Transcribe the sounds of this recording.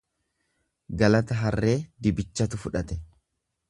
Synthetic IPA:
ɡɐlɐt̪ɐɦɐrːe̞ːd̪ɪbɪt͡ʃːɐt̪ʊfʊᶑɐt̪ɛ

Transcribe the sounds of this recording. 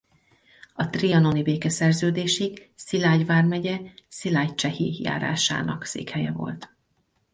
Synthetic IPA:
ɒt̪riɒno̞nibeːkɛsɛrzøːd̪eːʃiɡsilaːɟvaːrmɛɟɛsilaːct͡ʃɛhija̰ːɾa̰ːʃa̰ːnɒksḛːkhɛjɛvo̞̰lt̪

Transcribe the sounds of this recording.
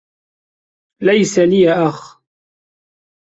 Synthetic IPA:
lajsalijaʔax

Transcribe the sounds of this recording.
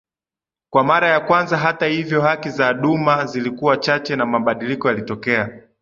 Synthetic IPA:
kwamaɾajakwanzaɦatahivjɔhakizaɗumazilikuwat͡ʃat͡ʃɛnamaɓaɗilikɔjalitɔkɛa

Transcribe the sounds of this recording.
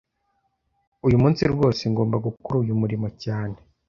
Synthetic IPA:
ujumuːnsiɾwo̞ːseŋɡo̞ːmbaɡukuɾuːjumuɾimo̞caːne̞

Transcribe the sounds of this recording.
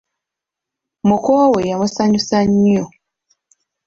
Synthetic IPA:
mukowojamusaɲusaɲːo

